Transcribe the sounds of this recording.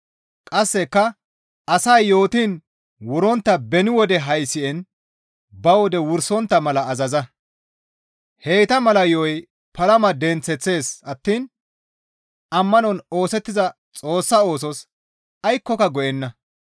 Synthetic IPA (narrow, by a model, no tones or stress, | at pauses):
kʼɐsːɛkːɐ | ʔɐsɐjːo̞ːt̪iːn | wʊɾɔnt̪ːɐbɛnɪwɔd̪ɛɦɐjsɪɛn | bɐwɔd̪ɛwʊɾsɔnt̪ːɐmɐlɐːzɐzɐ | he̞ːt̪ɐmɐlɐjoj | pɐlɐmɐd̪ɛnt͡sːɛt͡sːe̞ːsɐt̪ːiːn | ʔɐmːɐnɔno̞ːsɛt̪ːɪzɐ | t͡sʼo̞ːsːɐo̞ːsɔs | ɐjkːɔkɐɡɔʔɛnːɐ